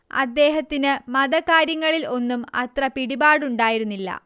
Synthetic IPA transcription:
ɐ̰d̪ːe̞ːɦɐt̪ːinɨmɐd̪ɐkːaːɾjɐŋːɐɭilo̞nːumɐ̰t̪rɐpiɽibaːɽuɳɖaːjiɾunːilːɐ̰

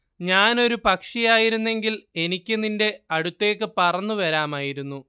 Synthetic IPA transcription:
ɲaːno̞ɾupɐkʂijaːjiɾunːe̞ŋɡile̞nikʲːɨninde̞ɐɽut̪ːe̞ːkːɨpɐrɐnːuʋɐɾaːmaːjiɾunːu

